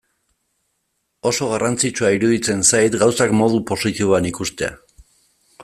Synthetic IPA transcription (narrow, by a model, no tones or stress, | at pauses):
o̞so̞ɣ̞arʔant͡sit͡ʃuaiɾuðit͡se̞nsajt̪ɡawsakmo̞ð̞upo̞sit̪iβoanikust̪e̞a̰